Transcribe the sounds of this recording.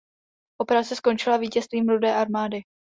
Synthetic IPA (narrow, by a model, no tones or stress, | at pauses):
ʔo̞pɛɾat͡sɛsko̞nt͡ʃɪlaviːcɛst̪viːmɾudɛːʔaɾmaːdɪ